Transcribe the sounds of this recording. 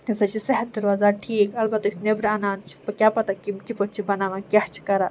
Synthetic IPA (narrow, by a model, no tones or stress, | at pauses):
t̪esɐt͡ʃʰiseɦɐt̪̚d̪ɐɾʋaːzaʈʰiːkɐlbɐt̪isnebɾanaːnt͡ʃʰi̥pɐkʲjapɐt̪akimkʲipɐʈ̚t͡ʃʰibɐnaːʋãkʲaht͡ʃʰi̥kɐɾa